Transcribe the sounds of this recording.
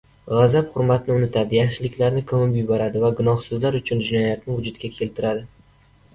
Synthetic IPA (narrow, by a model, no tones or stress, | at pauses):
ʁazaphʊɾmat̪nɪʊnɪt̪ʰad̪ɪjaχʃɪlɪkʲlaɾnɪkʰɵmɪpjʊbɒɾad̪ɪvaɡʊnɒhsɪzlaɾʊt͡ʃʰʊnd͡ʒɪnɒjat̪̚nɪvʊd͡ʒʊt̪̚kʲakʲʰe̞lt̪ʰɪɾad̪ɪ